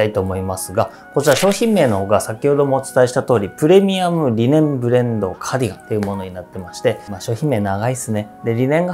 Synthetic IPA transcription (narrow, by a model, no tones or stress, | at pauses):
ait̪o̞ːmo̞imasɨɡa | kot͡ɕiɾaɕo̞ːçĩmːe̞ːno̞ho̞ːɡasakʲiho̞d̪o̞mo̞ːt͡sɨ̥t̪aeɕi̥t̪at̪o̞ːɾʲipɯ̟ɾe̞mʲiamɯ̟ɾʲinẽ̞mbɯ̟ɾẽ̞nd̪o̞̰kʰaɾʲiɡat̪ːe̞iɯ̟mo̞no̞ɲinat̪ːe̞maɕi̥t̪e̞maːɕo̞ːçʲĩmːe̞ːnaɡaisɨne̞d̪e̞ɾʲinẽ̞ŋɡa